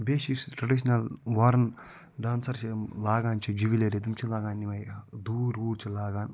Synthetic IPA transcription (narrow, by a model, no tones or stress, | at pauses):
beːʃisʈɾɐɖiʃ̬nɐlʋɐɾn | ɖaːnsɐɾt͡ʃʰilaːɡaːnt͡ʃʰid͡ʒiʋileɾid̪umt͡ʃʰilaːɡaːnːimɐjd̪uːɾuːɾt͡ʃʰilaːɡaːn